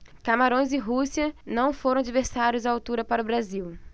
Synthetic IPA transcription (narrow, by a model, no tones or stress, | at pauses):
kamaɾõj̃zɪɦusiɐnɐ̃w̃foɾɐ̃w̃ad͡ʒiveɾsaɾjʊzaawt̪uɾɐpaɾʊbɾaziw